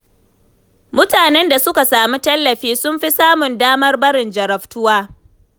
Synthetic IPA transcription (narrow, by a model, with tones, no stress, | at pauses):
mʊ˦taː˨nɛ˦nda˨sʊ˦ka˨saː˨mi˦tɐ˦lːɐ˨ɸiː˦sʊ˦mɸi˦saː˦mʊ˨ndaː˦mɐ˦rbɐ˦ɽɪ˨nd͡ʒɐ˨ɾɐ˨ɸtʊ˦waː˦